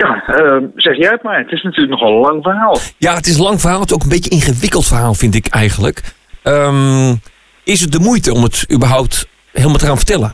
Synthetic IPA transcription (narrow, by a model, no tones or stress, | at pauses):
jaəz̥ɛxjɛjət̚majətɪsnatyːləknɔxəlɑŋfərɦaːlˠjaətɪsənlɑŋfərɦaːlˠətsowkənbɪjəɪnχəʋɪkəlˠtfərɦaːlˠfɪntɪkʰɛjɣənlək | əm | ɪsət̚dəmujtəɔmətybərɦawp̚t | hɪːlˠmatəraːnfə̥rtɛlˠə